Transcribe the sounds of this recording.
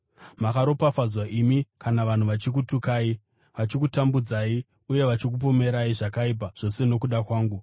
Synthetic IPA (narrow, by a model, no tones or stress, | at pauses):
makaɾo̞pafad͡zwaʔimikanaʋan̤uʋat͡ʃik̬utukaːi | ʋat͡ʃikutambud͡zai | uje̞ʋat͡ʃik̬up̬o̞me̞ɾaiʐakaip̬aʐ̥o̞se̞no̞kuɗakwaːŋɡu